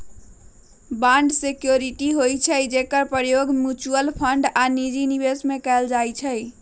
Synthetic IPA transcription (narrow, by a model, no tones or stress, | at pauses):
bãɳɖsekjoɾiʈiɦojt͡ʃʰəd͡ʒekəɾpjoɡmjut͡ʃuəlpʰəɳɖanid͡ʒinibesmekɛld͡ʒajt͡ʃʰəj